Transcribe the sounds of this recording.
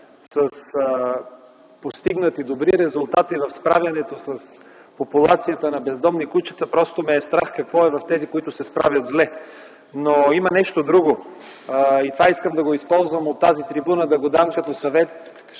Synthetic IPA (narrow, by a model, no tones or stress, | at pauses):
səs | post̪iɡnət̪id̪obɾiɾɛzʊlˠt̪at̪ivɐfspɾavʲjɐnɛt̪osɐs | populˠat̪sijət̪ənɐbɛzd̪ɔmnikut͡ʃə̥t̪əpɾɔst̪omɛːst̪ɾaxkɐkvɔɛvɐft̪ɛzikoit̪ʊsɛspɾa̰vjɐt̪zlɛ | noimɐnɛʃt̪od̪ɾuɡo | it̪ovaiskəmd̪ɐɡoispɔlˠzvəmot̪ːazit̪ɾibunəd̪ɐɡod̪amkɐt̪ɔsɐvɛt̪